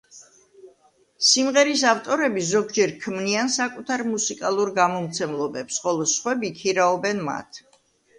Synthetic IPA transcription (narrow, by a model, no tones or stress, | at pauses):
simʁɛɾisaft̪ʼɔɾɛbizɔɡd͡ʒɛɾkʰmniansakʼut̪ʰaɾmusikʼalˠuɾɡamɔmt̪sʰɛmlˠɔbɛpsχɔlˠɔsχwɛbikʰiɾaɔbɛnma̰t̪ʰ